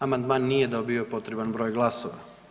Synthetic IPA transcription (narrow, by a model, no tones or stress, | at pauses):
amand̪maːnːijed̪o̞biopo̞t̪ɾe̞banbɾo̞ːjɡlˠasoʋa̰